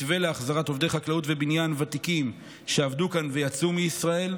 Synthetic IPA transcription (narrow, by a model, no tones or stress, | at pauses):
veleaχzaʁato̞vd̪e̞jχaklautvebinjanvat̪ikim | ʃeavdukanve̞jat͡sumiisʁae̞l